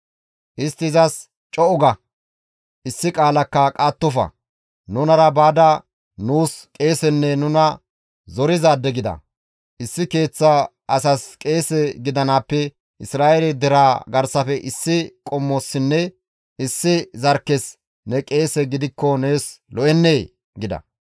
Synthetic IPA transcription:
ʔɪst̪ːɪzɐs | t͡ʃʼɔʔʊɡɐ | ʔɪsːɪkʼaːlɐkːɐkʼaːt̪ːɔfɐ̰ | nʊnɐɾɐbaːd̪ɐ | nuːskʼe̞ːsɛnːɛnʊnɐ | zɔɾɪzaːd̪ːɛɡɪd̪ɐ̰ | ʔɪsːɪke̞ːt͡sːa | ɐsɐskʼe̞ːsɛɡɪd̪ɐnaːpːɛ | ʔɪsɾaːʔɛlɛd̪ɛɾaːɡɐɾsɐfɛʔɪsːɪkʼɔmːɔsːɪnːɛ | ʔɪsːɪzɐɾkːɛs | nɛkʼe̞ːsɛɡɪd̪ɪkːɔneːslɔʔɛnːeː | ɡɪd̪ɐ̰

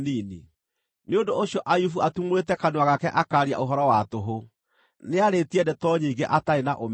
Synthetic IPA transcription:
nini | neondooɕjɔʔajufuatumoɾetɛkanowaɣakɛʔakaːɾia̰ʔoɦɔɾɔwatoɦo | neaɾetiɛdɛtɔɲiːɡeʔataenaʔom

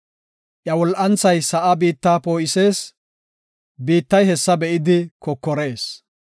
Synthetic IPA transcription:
ʔjɐwɔlʔɐnt͡sɐjsɐʔɐbiːt̪ːaːpo̞ːʔɪse̞ːs | biːt̪ːɐjhɛsːɐbɛʔɪd̪ɪkɔkːɔɾe̞ːs

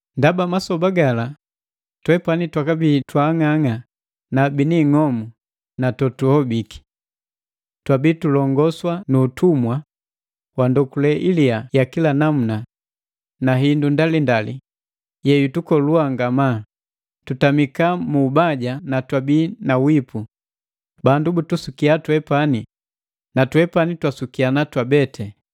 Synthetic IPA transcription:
ndabamasɔbaɡala | twɛpanitwakabitwaːŋaŋa | nabiniŋɔmu | natɔtuhɔbiki̥ | twabitulɔŋɡɔswanuːtʰumwa | wandɔkulɛʔiliajakilanamuna | naɦindundalindali | jɛjutukɔluaŋɡama | tutamikamuːbaɟanatwabiːnawipʰu | bandubutusukiatwɛpani | natwɛpanitwasukianatwabɛtɛ

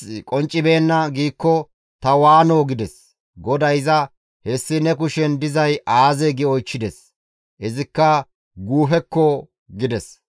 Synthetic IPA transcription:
kʼɔnt͡ʃʼːɪbeːnːɐɡiːkːɔ | t̪ɐwaːnoːɡɪd̪ɛs | ɡɔd̪ɐjɪzɐ | hɛsːɪnɛkʊʃɛnd̪ɪzɐjʔaːzɛɡɪɔjt͡ʃːɪd̪ɛs | ʔɪzɪkːɐ | ɡuːfɛkːɔ | ɡɪd̪ɛs

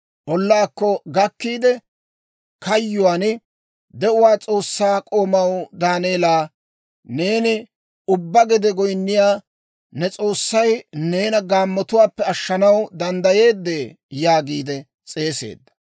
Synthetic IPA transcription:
ʔɔlːaːkːɔɡɐkːiːd̪ɛ | kɐjːʊwaːn | d̪ɛʔʊwaːt͡sʼo̞ːsːaːkʼo̞ːmɐwd̪aːneːlaː | ne̞ːnɪ | ʊbːɐɡɛd̪ɛɡɔjnːɪjaː | nɛt͡sʼo̞ːsːɐjne̞ːnɐɡaːmːɔt̪ʊwaːpːɛɐʃːɐnɐwd̪ɐnd̪ɐje̞ːd̪ːeː | jaːɡiːd̪ɛ | t͡sʼe̞ːse̞̰ːd̪ːɐ̥

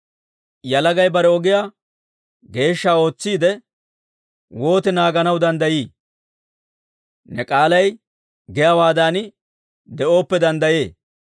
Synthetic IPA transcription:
jɐlɐɡɐjbɐɾɛɔɡɪjaː | ɡe̞ːʃːaːo̞ːt͡sːiːd̪ɛ | wo̞ːt̪ɛnaːɡɐnɐwd̪ɐnd̪ɐjiː | nɛkʼaːlɐj | ɡɛjawaːd̪aːnɪ | d̪ɛo̞ːpːɛd̪ɐnd̪ɐje̞ː

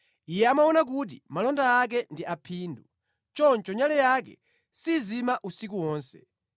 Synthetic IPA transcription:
ijɛamaɔnak̬ut̬ḭmalɔndaːk̬ɛndiʔapʰiːndu | t͡ʃɔnt͡ʃɔɲalɛjakɛ̰ | sizimaʔusik̬uwɔːnsɛ̰

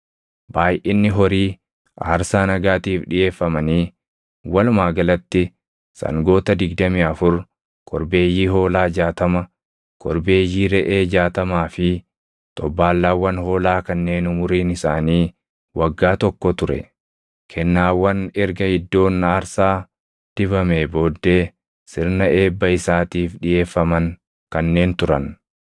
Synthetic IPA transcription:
baːjʔɪnːɪɦɔɾiː | ʔaːɾsaːnɐɡaːt̪iːfᶑɪje̞ːfːɐmɐniː | wɐlʊmaːɡɐlɐt̪ːɪ | sɐ̰ŋɡo̞ːt̪ɐd̪ɪɡd̪ɐmiːɐfʊɾ | kʼɔɾbe̞ːjːiːɦoːlaːd͡ʒaːt̪ɐmɐ | kʼɔɾbe̞ːjːiːɾɛʔeːd͡ʒaːt̪ɐmaːfɪ | t̪ʼɔbːaːlːaːwːɐnho̞ːlaːkɐnːe̞ːnʊmʊɾiːnɪsaːniː | wɐɡːaːt̪ɔkːɔt̪ʊɾɛ̰ | kʰɛnːaːwːɐnɛɾɡɐhɪd̪ːo̞ːnːaːɾsaː | d̪̥ɪbɐmebo̞ːd̪ːe̞ː | sɪɾnɐe̞ːbːɐɪsaːt̪iːfᶑɪje̞ːfːɐmɐŋ | kɐnːe̞ːnt̪ʊɾɐ̰n

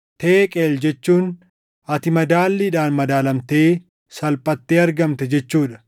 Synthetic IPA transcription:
t̪eːkʼeːld͡ʒɛt͡ʃːuːn | ɐt̪ɪmɐd̪aːlːiːᶑaːnmɐd̪aːlɐmt̪e̞ː | sɐlpʼɐt̪ːe̞ːɐɾɡɐmt̪ɛd͡ʒɛt͡ʃːuːᶑɐ̥

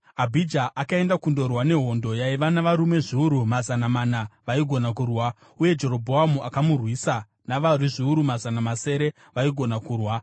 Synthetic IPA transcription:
abʱid͡ʒaʔakae̞ndakundo̞rwane̞ɦondo̞jaiʋanaʋaɾume̞ʐiuɾumazanamanaʋaiɡʱo̞nak̬urwa | uje̞d͡ʒe̞ɾo̞bʱo̞ɦamuʔakamurwiːsa | naʋariʐiuɾumazanamase̞ɾe̞ | ʋaiɡʱo̞nakuːrwa

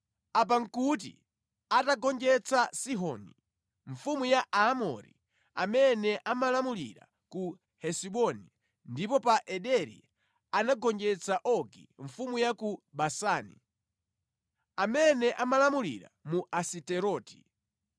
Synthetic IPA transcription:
ap̬aŋ̩kut̬ḭ | ataɡɔnd͡ʒɛt͡sasiɦɔni | ɱfumujaʔaːmɔ̰ɾḭ | amɛnɛʔamalamulḭɾa̰ | ku | hɛsiɓɔni | ndipɔpaʔɛɗɛɾḭ | anaɡɔnd͡ʒɛt͡saʔɔɡḭɱfumujakuɓasaːnḭ | amɛnɛʔamalamulḭɾa̰muasitɛɾɔːti̥

